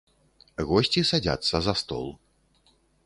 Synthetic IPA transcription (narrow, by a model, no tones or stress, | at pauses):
ɣɔsʲt͡sʲisad͡zʲa̰t̪sːɐzɐst̪ɔ̰lˠ